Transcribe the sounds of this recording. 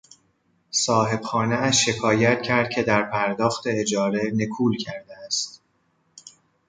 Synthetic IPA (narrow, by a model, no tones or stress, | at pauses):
sɒːɦe̞b̥xɒːneæʃːe̞kʰɒːjæt̪̚kcʰæɾd̪̚cʲʰe̞d̪æɾpʰæɾd̪ɒːxt̪e̞ːd͡ʒɒːɾe̞ne̞kʰuːlcʰæɾd̪eæst̪